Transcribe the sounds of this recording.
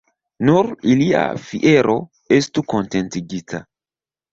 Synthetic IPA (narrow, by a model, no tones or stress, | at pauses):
nuɾilia̰fiʔe̞ɾʔo̞ | e̞stuko̞nte̞ntiɡitʰa